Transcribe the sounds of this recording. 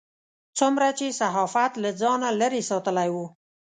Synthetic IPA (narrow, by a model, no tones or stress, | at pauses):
t͡sʊmɾat͡ʃesaɦɑfat̪lad͡zɑnaləɾesɑt̪əlajwu